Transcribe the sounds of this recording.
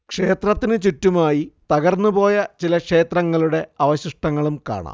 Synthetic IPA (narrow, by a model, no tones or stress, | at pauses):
kʂe̞ːt̪rɐt̪ːinɨt͡ɕutːumaːjit̪ɐɣɐrnːubo̞ːjɐt͡ɕilɐkʂe̞ːt̪rɐŋːɐɭuɽe̞ɐʋɐɕiʂʈɐŋːɐɭumka̰ːɳa̰